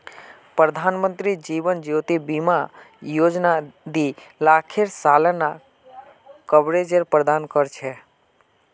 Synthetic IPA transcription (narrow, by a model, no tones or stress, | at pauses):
pɾəd̪ʱanmə̃nt̪ɾid͡ʒiʋənd͡ʒowt̪ibima | jod͡ʒnad̪ilakʰeɾsaləna | kəbɾed͡ʒeɾpɾəd̪ankəɾt͡ʃʰɛ